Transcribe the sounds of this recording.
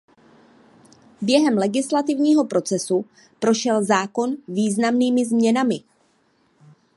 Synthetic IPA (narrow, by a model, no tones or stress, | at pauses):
bjɛɦɛmlɛɡɪslat̪ɪvɲiːɦo̞pɾo̞t͡sɛsu | pɾo̞ʃɛlzaːko̞nviːznamniːmɪzmɲɛnamɪ